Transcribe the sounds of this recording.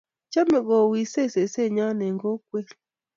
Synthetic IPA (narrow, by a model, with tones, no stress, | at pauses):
t͡ʃa˦mɛ˨ɡɔ˨wi˨se˦˨se˨se˦˨ɲa˦nɛ˨ŋɡo˦kwe˦